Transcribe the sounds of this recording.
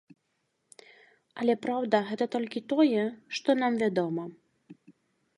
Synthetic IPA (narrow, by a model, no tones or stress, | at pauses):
ɐlʲɛpɾawd̪ɐɣɛt̪ɐt̪ɔlʲkʲit̪ɔjɛʂt̪ɔnamvʲad̪ɔmɐ